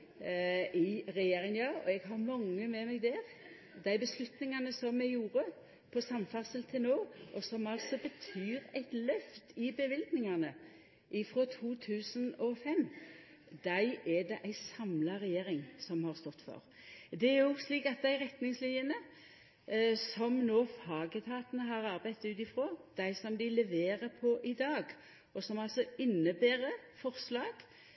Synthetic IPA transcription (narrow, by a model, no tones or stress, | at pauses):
ʔɪɾɛjeːɾɪŋnjɑːɔ̰ɛɡɦɑɾmɑŋːəmɛmɛɡd̪ɛʁ | d̪æɪbəslʉt̪nɪŋɑnəsɔmɛɡjuːɾə | pʰɔsɑmfɑʁsəlt̪ʰɪlnoːʔɔsɔmɑlt̪sɔbət̪ʰyːɾæɪt̪lœft̪ɪbəʋɪld̪nɪŋɑnə | ʔɪfɾɔːt̪ʰuːt̪ʰʉːsənɔfɛm | d̪̥æɪʔɛd̪ɛʔæɪsɑmlɑʁɛjeːɾɪŋsɔmhɑʁst̪ɔt̪ːfɔ̰ʁ | d̪ɛæɾjʊsliːkɑt̪̚d̪æɪʁɛt̪nɪŋslɪənə | sɔmnoːfɑːɡət̪ʰɑːt̪ənəɦɑɾɑʁbæɪt̪ʉːt̪ɪfɾoːd̪̥æɪsɔmd̪ɪlɛʋeːʁəpʰɔʔɪd̪ɑːɡ | ɔsɔmɑlsɔɪnːəbeːɾəfɔʁslɑːɡ̥